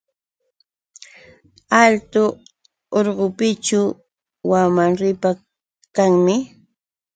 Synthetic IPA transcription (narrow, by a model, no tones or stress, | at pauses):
alt̪ʊ | oɾɢʊpɪt͡ʃʊ | wamaŋɾɪpa | kaŋmɪ